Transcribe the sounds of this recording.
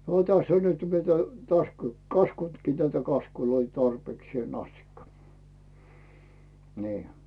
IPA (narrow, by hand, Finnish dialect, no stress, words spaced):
tæsː on nyt mitæ tæs kɑskuntkiː tætæ kɑskuloi tɑrpeːksĭeˑn ɑstikːɑ niː